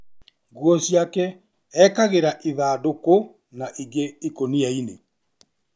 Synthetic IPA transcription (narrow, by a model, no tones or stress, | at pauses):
ɡwɔsjakɛ | ɛkaɣeɾaʔiðaːdoko | naʔiɡeikoniaine